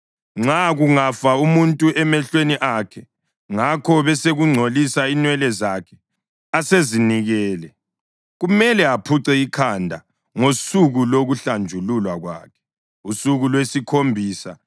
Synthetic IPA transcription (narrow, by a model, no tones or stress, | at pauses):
ŋ͡ǁaɣuŋafaumuntʼuɛmɛɬweniʔakʰɛ | ŋakʰɔβɛseɣuŋ͡ǀʱolisainwɛlɛzakʰɛ̥ | aseziniɣɛːlɛ | ɣumɛlɛapʰuǀɛikʰandʱa | ŋosuɣuloɣuɬand͡ʒʱululwaɣwa̰ːkʰɛ̥ | usuɣulwesikʰombʱiːsa